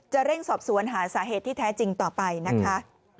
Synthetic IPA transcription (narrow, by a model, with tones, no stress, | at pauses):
t͡ɕa˨˩ɾe˥˩ŋsɔː˨˩p̚su˨˩˦ənɦaː˩˦saː˩˦ɦeː˨˩t̪ʰːiː˥˩t̪ʰɛː˦˥t͡ɕi˧ŋt̪ɔː˨˩pa˧jna˦˥kʰa˦˥